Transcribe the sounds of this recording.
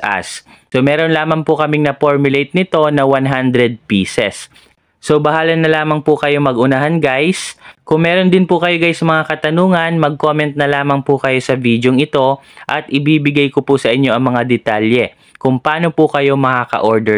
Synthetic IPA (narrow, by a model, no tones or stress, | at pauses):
a̰s | somɛːɾo̞nlaːmɐŋpʊkɐmɪŋnɐpoɹmjʊlejt̪̚nɪt̪o̞nɐwanɦand̪ɾɛd̪̚piːsɛsː | o̞bɐhaːlɐnːɐlaːmɐŋpʊkɐjo̞mɐɡʔʊnaɦanɡajskʊŋmɛːɾo̞nd̪ɪnpʊkɐjoɡajsɐmɐŋakɐt̪ɐnuːŋɐnmɐɡ̚ko̞mɛnt̪̚nɐlaːmɐŋpʊkɐjo̞sɐvid̪joŋɪt̪o̞ʔɐt̪ʔɪbiːbɪɡajkopʊsɐʔɪɲːo̞ʔɐŋmɐŋad̪ɛt̪aljɛ | kʊŋpaːno̞pʊkɐjo̞mɐkakɐ̰ʔo̞ɹd̪ɛ